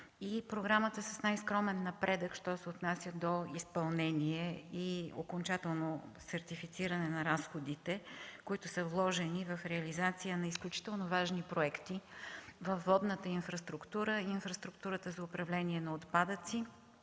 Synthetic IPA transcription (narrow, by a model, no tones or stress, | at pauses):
ipɾoɡɾamət̪əsəsnajskɾɔmɛnːɐpɾɛd̪əkʃt̪ɔsɛot̪nasʲjəd̪oispɐlˠnɛniɛio̰kont͡ʃat̪ɛlˠnosɛɾt̪ifit̪siɾənɛnɐɾasxod̪it̪ɛkoit̪ʊsəvlˠɔʒɛnivɐfɾɛɐlizat̪sijənɐisklʲut͡ʃi̥t̪ɛlˠnovaʒnipɾoɛkt̪ivɐfːɔd̪nət̪əinfɾɐst̪ɾukt̪uɾəinfɾəst̪ɾukt̪uɾət̪əzɐʊpɾɐvlɛniɛnɐot̪pad̪ət̪si